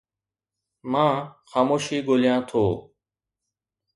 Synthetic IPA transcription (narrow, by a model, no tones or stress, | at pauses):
mãːxaːmoːʃiːɠoːlɪjãːt̪ʰoː